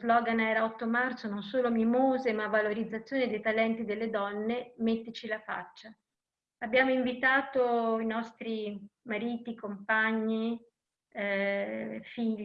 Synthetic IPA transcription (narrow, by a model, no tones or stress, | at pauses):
zlɔːɡanɛːɾaɔt̪ːomart̪sononsoːlomimoːzemavːaloɾid̪zːat̪sːjoːned̪ejt̪alɛnt̪id̪elːed̪ɔnːemet̪ːet͡ʃilafa̰t͡ʃːa | abjaːmoiɱvit̪aːt̪oinɔst̪ɾimaɾiːt̪ikompaɲːi | fiʎː